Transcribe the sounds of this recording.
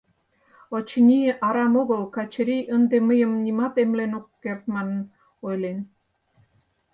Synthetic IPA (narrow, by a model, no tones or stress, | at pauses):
ot͡ɕinʲiʔɑɾɑmoɣə̆lˠkɑt͡ɕɾijʔənd̪eməjə̆mnʲimɑt̪emlenokːert̪̚mɑnɤ̆n | ojlen